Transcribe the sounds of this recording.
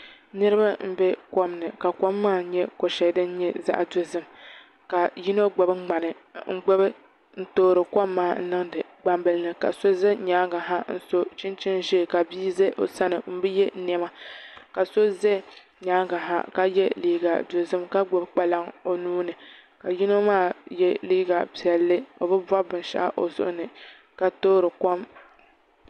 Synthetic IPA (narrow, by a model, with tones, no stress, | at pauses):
nɨ˦ɾɨ˦ba˦m̩˦bɛ˦kɔ˦mnɨ˨ka˨kɔ˦mːaː˦ɲɛ˦ko˨ʃɛ˨˦dɨ˦n̩˦ɲɛ˦za̰˦ʔdo˨zɨ˦m | ka˨ji˦no˦ɡ͡bo˨bɨ˦ɡ͡ba˨nɨ˨ŋ̩˦ɡ͡bo˦bɨ˦ | n̩˦toː˦ɾɨ˨kʷɔ˦mːaː˦˨n̩˦nɨ˦ŋdɨ˨ | ɡ͡ba˨mbɨ˨lnɨ˨ka̰˨so˦zɛ˦ɲaː˦ɡa˨ɦa˦n̩˦so˦t͡ʃɪ˦nt͡ʃɪ˦nʒɛ˦˨ka˨biː˦ze˦ʔo̰˨sa˦nɨ˨m̩˦bɨ˦jɛ˦nɛ˦ma˦ka˨so˦ze˦ | ɲaː˦ɡa˨ɦa̰˦ka˦jɛ˦liː˦ɡa̰˨do˨zɨ˦mka˦ɡ͡bo˦bk͡pa˦la˦ŋo˨nuː˦nɨ˨ | ka˨ji˦no˦maː˦˨jɛ˦liː˦ɡa˨pi˨ɛ˨lːɨ˦o˨bɨ˦ba˦bɨ˨n˦ʃa̰˦a̰˦ʔo̰˨zʊ̰˦ʔʊ˦nɨ˨ | ka˨toː˦ɾɨ˨kɔ˦m